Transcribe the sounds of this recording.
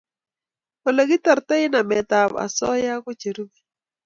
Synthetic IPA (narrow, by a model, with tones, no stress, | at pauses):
o˨le˨ɡi˦ta˨ɾt̪ɛ˦ɪ˦na˨mɛ˨t̪a˨va̰˨sɔ˦ja˦kɔ˦t͡ʃe˨ɾu˦ɡi˦